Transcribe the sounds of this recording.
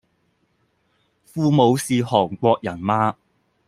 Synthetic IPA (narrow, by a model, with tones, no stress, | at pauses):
fuː˧mo˨˧wsiː˨hɔː˨˩ŋkʷɔː˧k̚jɐ˨˩nmaː˧